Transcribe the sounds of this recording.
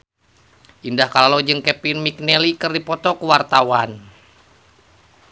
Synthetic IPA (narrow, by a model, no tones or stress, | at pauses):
ʔindahkalalod͡ʒɨŋkɛpinmik̚nɛlikɨrdipɔt̪ɔkəwart̪awan